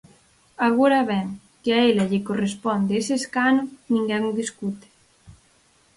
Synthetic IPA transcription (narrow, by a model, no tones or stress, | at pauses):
aɣoɾaβɛŋ | kɪaelaʎekorespɔnd̪eeseskanonĩŋɡɛŋuðiskut̪e̥